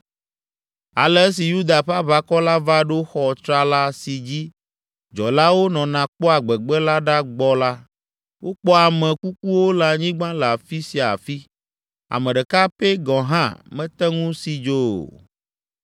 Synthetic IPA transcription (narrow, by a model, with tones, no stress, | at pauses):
a̰˨le˦s̬i˨ju˦d̪a˨ɸa˦βa˦kɔ˦la˦va˦ɖo˦xɔ˨t̪ɾa˦la˦si˨d͡ʑi˦ | d͡ʒɔ˨la˦wo˦nɔ̃˨nã˨k͡pɔ˦a˨ɡ͡bɛ˨ɡ͡bɛ˦la˦ɖa˦ɡ͡bɔ˦la˦ | wo˦k͡pɔ˦a˨mɛ̃˨ku˦k̚u˦wo˦la˨ɲĩ˦ɡ͡bã˦la˨fi˦si˨a̰˨fi˦ | a̰˨mɛ̃˨ɖɛ˨ka˦pe˦ɡɔ̃˨ɦã̰˦˨mɛ̃˦t̪ɛ˦ŋũ˦si˦d͡ʒo̰˦˨